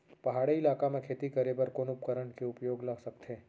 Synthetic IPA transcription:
pɐɦaːɽeɪlaːkamẽkʰeːt̪ikəɾebəɾkoːnʊpkəɾəɳkeʊpjoːɡlɐɡsɐkt̪ʰeː

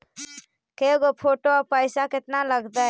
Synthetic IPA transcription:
keɡopʰoːʈoɔːpəɪsakɪt̪naləɡd̪a

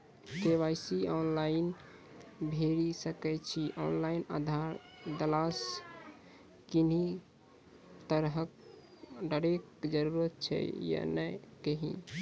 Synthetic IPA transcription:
t̪eʋajsiɔnlain | bʱeɾisəkɛt͡ʃʰiʔɔnlaina̰d̪ʱaɾ | d̪əlas | kini | t̪əɾɦək | ɖəɾek̚d͡ʒəɾuɾət̪̚t͡ʃʰɛ̰ja̰nɛkeɦḭ̃

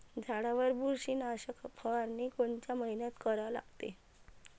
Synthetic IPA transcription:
d͡zʱaɽaʋəɾbuɾɕiːnaɕəkʰpʰəʋaɾnikoɳt͡ɕjaməɦinat̪kəɾala̰ɡt̪ḛ

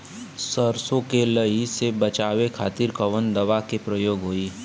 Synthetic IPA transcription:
səɾsõkeləisebɐt͡ʃaːʋekʰaːt̪iɾkəʋənd̪ɐʋakepɾəjoːɡɦoːiː

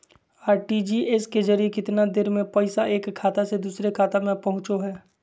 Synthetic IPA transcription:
aːɾʈid͡ʒiʔeskezɐɾijekɪt̪nad̪ɪɾmẽpɛɪsaʔeːkʰːaːt̪ased̪uːsɾekʰaːt̪amẽpɐɦʊ̃t͡ʃoɦɛː

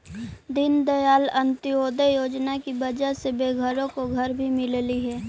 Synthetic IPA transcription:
d̪ɪnd̪əjaːlə̃nt̪ɪoːd̪əjoːd͡ʒnakibɐd͡ʒəɦsebeːɡʱəɾõkoɡʱɐɾbʱimɪlliɦɛː

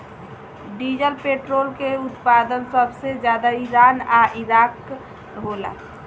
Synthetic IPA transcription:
ɖiːd͡ʒəlpeʈɾoːlkeʊt̪paːd̪ənsəbʱsed͡ʒjaːd̪aiɾaːnaʔiɾaːk | ɦola̰

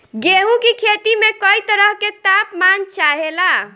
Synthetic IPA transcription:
ɡeɦũkikʰet̪imekəit̪əɾəɦket̪apmant͡ʃaɦela

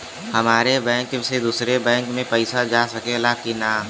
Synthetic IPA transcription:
hɐmaːɾebɛ̃ːŋksed̪uːsɾebɛ̃ːŋkmẽpɛɪsad͡ʒaːsɐkelakinaː

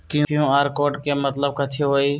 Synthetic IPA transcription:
kɪj̃ɪjũːaːɾkoːʈkeːmət̪ləb̚kət̪ʰeːɦoːiː

